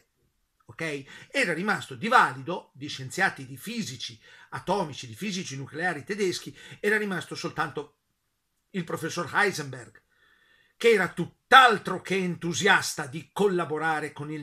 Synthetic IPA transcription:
okɛjɛːɾaɾimast̪od̪ivaːlid̪od̪iʃːent̪sjaːt̪id̪ifiːzit͡ʃiat̪ɔːmit͡ʃid̪ifiːzit͡ʃinukleaːɾit̪ed̪esk̟iɛːɾaɾimast̪osolt̪ant̪o | ilpɾofesːorhajzemberɡ | keɛːɾat̪ut̪ːalt̪ɾokeːnt̪uzjast̪ad̪ikolːaboɾaːɾekonil

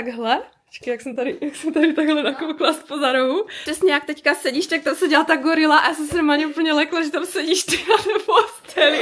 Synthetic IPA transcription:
t̪aɡɦlɛ̥ | t͡ʃkɪjaksɛmt̪aɾɪjaksɛmt̪aɾɪt̪aɡɦlɛnakowklaspozaɾoɦur̥ɛsɲɛjak̚t̪ɛckasɛɟiʃt̪ak̚t̪amsɛɟilat̪aɡoɾɪlaʔajaːsɛmsnomaːlɲɛʔupəɲɛlɛklaʒɛt̪amsɛɟiːʃt̪ɛknanɛbost̪ɛli

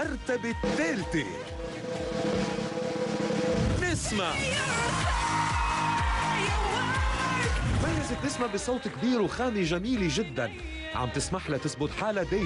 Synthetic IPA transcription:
ɑɾˤt̪abɪt̪ːeːɾt̪i | nɪsmaʕ | t̪majːazɪt̪nɪsmaʕbɪsˤɑːt̪ˤkbiːɾwxaːmiʒamiːliʒɪd̪ːa̰n | ʕa̰m̚t̪ɪsmaħlat̪ɪsbʊt̪ħaːlad̪eː

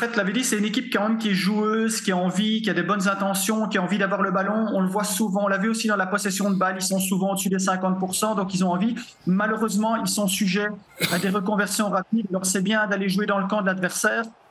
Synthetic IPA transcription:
ɑ̃fɛt̪laved̪isɛt̪ynekʲip̚kɑ̃mɛmkʲiɛʒuøːzkʲiaɑ̃vikʲiad̪ebɔnzɛ̃t̪ɑ̃sjɔ̃kʲiaɑ̃vid̪avwaʁləbalɔ̃ɔ̃ləvwasuvɑ̃ɔ̃lavyosid̪ɑ̃lapɔsɛsjɔ̃d̪əbalilsɔ̃suvɑ̃od̪əsyd̪ɛsɛ̃kɑ̃t̪̚puʁsɑ̃d̪ɔ̃kilzɔ̃ɑ̃vi | maløʁøzmɑ̃ilsɔ̃syʒɛad̪eʁəkɔ̃vɛʁsjɔ̃ʁapid̪alɔʁsɛbjɛ̃d̪aleʒued̪ɑ̃ləkɑ̃d̪əlad̪vɛʁsɛːʁ

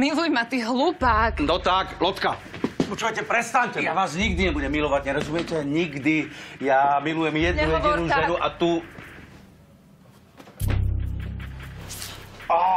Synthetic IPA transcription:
milujmat̪iɦlupaːkd̪ɔt̪aːklɔt̪ka | ut͡ʃuʋacɛpɾɛst̪aɲcɛjaʋaːzɲiɡd̪iɲɛbuɟɛmːilɔʋaɟɲɛɾɔzumɪjɛcɛɲiɡd̪ijamilujɛmjɛd̪nujɛdinuʒɛnuʔat̪u | a

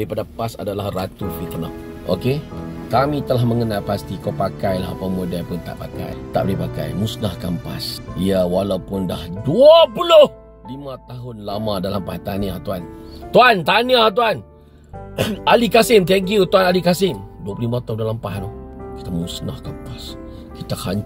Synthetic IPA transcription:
ipadapasa̰dalahrat̪ufilt̪əna̰h | ʔo̰kekamit̪əlahməŋənalpast̪ikawpakajla̰ɦapawmudapʊnt̪a̰ʔpaka̰jt̪a̰ʔbəipaka̰jmusnahkampa̰siawalawpʊndahduapulʊh | limat̪aɦʊnlamãdalampaht̪aniaht̪uant̪uant̪aniaht̪uan | alikasɪmt̪̬ɛŋk̬jut̪uanalikasɪmduaplimat̪aundalampaɦnoki̥t̪amusnahkampas | kit̪ahaɲ

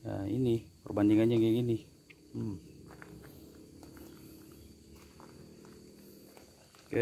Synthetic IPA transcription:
ja̰ḭnipərbandiŋanɲaɡeɡini | ka

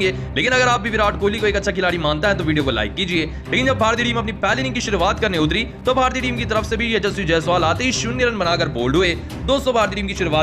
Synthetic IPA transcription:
ɡeː | leːkɪnɐɡəɾaːp̚bʱiːbɪɾaːʈkoːliːkoeːkətːʃʰaːk̬ɪlaːɽimãːnt̪aɦɛ̃t̪̬oːʋiːɖioːkola̰ːɪkːiːd͡ʒieː | leːkɪnd͡ʒəbbʱaːɾt̪iːʈiːmɐp̬nipɛːliːʈiːŋkiʃʊɾuʋaːt̪kəɾneʊt̪ɾiːt̪oːbʱaːɾt̪iːʈiːmkit̪̬əɾəfʰsebʱiet͡ʃəsid͡ʒɛːsʊʋaːlaːt̪eɦiʃʊnjəɾənbənaːkəɾboːlɖɦʊeː | d̪oːsɔ̃ːbʱaːɾt̪iːʈiːmkiʃʊɾʋaː

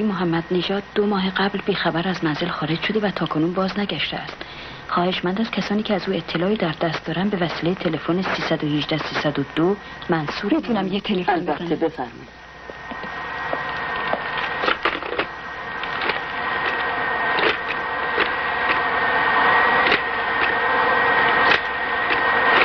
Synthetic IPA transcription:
moɦæmːæd̪̥ne̞ʒɒːd̪̚ːo̞mɒːɦeɢæblbiːxæbæɾæzmænzelxɒːɾe̞d͡ʒʃo̞d̪e̞væt̪ʰɒːkʰo̞nuːnbɒːznæɟæʃt̪eæst̪ | xɒːhe̞ʃmænd̪æz̥cʰæsɒːniːcʰeæzuːe̞t̪ʰːe̞lɒːiːd̪æɾd̪æst̪d̪ɒːɾænd̪be̞væsiːlejet̪ʰe̞le̞fonesiːsæd̪ohiʒd̪æsiːsæd̪od̪o | mænsuːɾt̪ʰunæmjet̪ʰelefonbætnːebefæɾmḭ

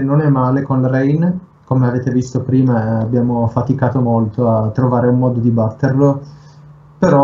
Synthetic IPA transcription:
nːonɛmːaːlekonlaɾɛjn | komeaveːt̪evist̪opɾiːmaːbːjaːmofat̪ikaːt̪omolt̪oat̪ːɾovaːɾeumːɔːd̪od̪ibat̪ːerlo | peɾɔ

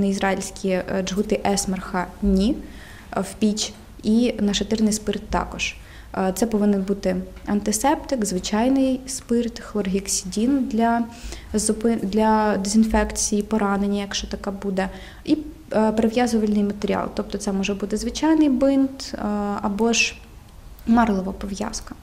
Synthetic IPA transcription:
nɐizɾɑilʲsʲkʲid͡ʒɦut̪ɪʔɛsmɐrxɐnʲi | wpʲit͡ʃʲ | inɐt͡ʃɔt̪ɪrnɪjspɪrt̪ːɑ̰kɔʒ̥ | t̪sɛpɔʋɪnɪnbut̪ɪɐnt̪ɪsɛpt̪ɪkzʋɪt͡ʃɑjnɪjspɪrt̪xlˠɔrɦʲiksʲidʲind̪lʲɐzʊpɪd̪lʲɐd̪ezʲinfɛkt͡sʲijipɔɾɑnenʲːɐjɐkʃt͡ʃɔt̪ɐkɛbud̪ɛ | i | pɾeʋjazɔʋɐlʲnɪjmɐt̪eɾʲiɑ̰lˠt̪ɔp̚t̪ɔt̪sɛmɔʒɛbut̪ɪzʋɪt͡ʃɑjnɪjbɪnt̪ɐbɔʒ | mɑrlˠɔʋɐpɔʋjɑ̰skɐ̥

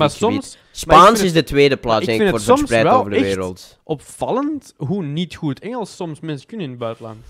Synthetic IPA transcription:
masɔims | spaːnsɪzdətweːdəplaːɪɛŋɪnoːrɔsrɛjtɛloːvərdəɛːɾə̰lˠt | ʔɔpfɑlənt | ɦunitxutʰɛŋəlˠssɔmsmɛnskʏnɪnəbœɥtlɑ̰nt

